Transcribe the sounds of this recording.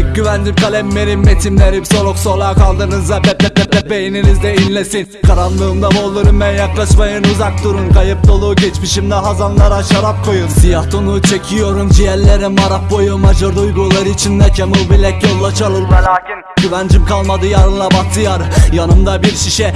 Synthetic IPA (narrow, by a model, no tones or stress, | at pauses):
ɟyvænd͡ʒimkʰalʲɛmːeɾinmet̪ʰimlʲeɾibso̞lˠokso̞lˠakʰalˠd̪ɯnɯzːabɛp̪ːɛp̪ːɛpːɛpːejininizd̪ɛinlʲesinkʰaɾanlˠɯːmd̪abolˠːɯɾumbænjaklˠaʃmajɯnuzak̚t̪uɾunkʰajɯp̚d̪o̞lˠuːɟɛt͡ʃmiʃimd̪ɛɦazanlˠaɾaʃaɾap̚kʰo̞jumfijaht̪ʰonut͡ʃʰe̞cʰijo̞ɾumd͡ʒijɛɾlʲːeɾimmaɾapbo̞jumad͡ʒaɾd̪ujɡulˠaɾɯit͡ʃʰind̪ɛcʰemulˠbilʲɛclolˠːat͡ʃalˠɯɾ | ɟyvænd͡ʒimkʰalˠmad̪ɯjaɾɯnlˠabat̪ʰɯjaɾɯjanɯmd̪abiɾʃiʃɛ